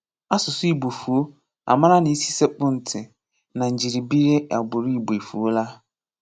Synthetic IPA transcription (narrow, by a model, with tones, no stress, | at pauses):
a˦sʊ˨sʊ˦i˨bo˨fu˨o˦ | a̰˨mã˦ɾa˦nɪ̃˨i˦si˦se˦k͡pʊ̃˦n̩˨tʰɪ˨ | nã˨ɲ̩˨d͡ʑi˨ɾi˨bi˦ɾe˦a˨bʊ˨ɾi˦i˨bo˨e˨fu˨o˦la˦